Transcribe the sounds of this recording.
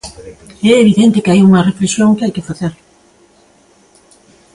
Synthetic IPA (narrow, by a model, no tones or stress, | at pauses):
ɛeβiðent̪ɪkeajuŋɐreflesjoŋkɪajkɪfaθeɾ